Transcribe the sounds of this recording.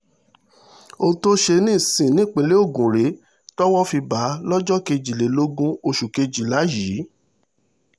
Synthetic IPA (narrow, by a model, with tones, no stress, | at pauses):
o˧to˦ʃe˧nĩː˦˨sĩ˨nĩ˦k͡pe˧˦le˦o˦˨ɡũ˨ɾe˨˦ | tɔ˦wɔ˦fi˧ba˨˦lɔ˦d͡ʒɔ˦ke˧d͡ʒi˨le˨˦lo˦ɡũ˦o˧ʃu˨ke˧d͡ʒi˨la˨˦ji˨˦